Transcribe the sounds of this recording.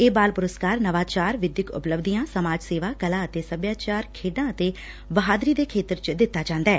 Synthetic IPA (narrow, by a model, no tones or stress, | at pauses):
eːbaːlpʊɾəskaːɾnəʋaːt͡ʃaːɾʋɪd̪jɪkʊ̰pləbd̪ijãːsəmaːd͡ʒseːʋaːkəlãːət̪eːsəbjaːt͡ʃaːɾkʰeːɖãːət̪eː | bəɦaːd̪ɾiːd̪eːkʰeːt̪əɾt͡ʃd̪ɪt̪ːaːd͡ʒãːnd̪aɛː